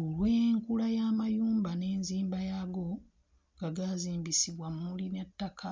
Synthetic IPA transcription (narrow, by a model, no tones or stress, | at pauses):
olweːŋkulajaːmajuːmbane̞ːnziːmbajaɡo̞ | ŋɡaɡaziːmbisiβwamulinetːakʰa